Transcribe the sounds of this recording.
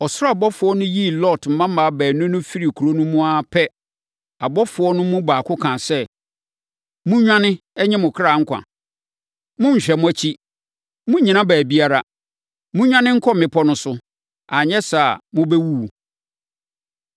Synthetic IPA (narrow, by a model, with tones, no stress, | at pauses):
ɔ˨sʊ˦ɔ˦a˨bɔ˦fʊ˨˦ɔ˦nʊ̃˦ji˦˨lɔ˦˨tm̩˨mã˦m̩ː˦a˨˦bæː˨nʊ̃˦nʊ̃˦fi˦ɾi˨kʰu˨ɾo˦nʊ̃˦mũ˦a˦pʰɛ˦ | a˨bɔ˦fʊ˨˦ɔ˦nʊ̃˦mʊ̃˦baː˨kʰʊ˦kʰãː˨sɛ˦ | mʊ̃˦ɲᶣã˦nɪ̃˦ɛ˦ɲɛ̃˦mʊ̃˨kʰɾa˨ŋ̩˦kʷʰã̰˨ | mʊ̃˦ɲ̩˨ɕᶣɛ˨mʊ̃˦æ˦t͡ɕʰi˦ | mʊ̃˦ɲĩ˨nã˦bæː˨bi˦a˦ɾa˨ | mʊ̃˦ɲᶣã˦nɪ̃˦ŋ̩˦kʰɔ˦˨mɪ̃˨pʰɔ˦nʊ̃˦sʊ˦ | a˨ɲɛ̃˦sa˨mʊ̃˦bɛ˦wu˦˨